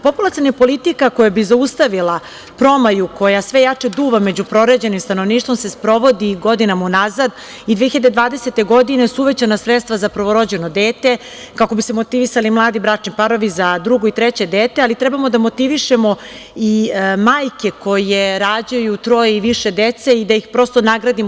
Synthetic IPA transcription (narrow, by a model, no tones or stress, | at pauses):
po̞pulˠat̪sijanapo̞lit̪ikako̞jabizaust̪aʋilˠa | pɾo̞majuko̞jasʋe̞jat͡ʂed̪uːʋame̞d͡ʑupɾo̞ɾed͡ʑe̞nimst̪anoʋniːʃt̪ʋo̞msespɾo̞ʋo̞d̪iɡo̞d̪inamaunazad̪ | id̪ʋeçiʎad̪ed̪ʋaːd̪e̞set̪e̞ɡo̞d̪ine̞suuʋet͡ɕanasɾet̪st̪ʋazapɾʋo̞ɾo̞d͡ʑe̞no̞d̪eːt̪e̞ | kako̞bisemot̪iʋisalimlˠaːd̪ibɾat͡ʂnipaɾo̞ʋizad̪ɾuɡoit̪ɾet͡ɕe̞d̪eːt̪ealit̪ɾɛbamo̞d̪amo̞t̪iʋiʃe̞mo̞ | imaːjke̞ko̞je̞ɾaːd͡ʑajut̪ɾo̞jeiʋiʃe̞d̪et̪se̞id̪ajixpɾo̞st̪o̞naɡɾad̪im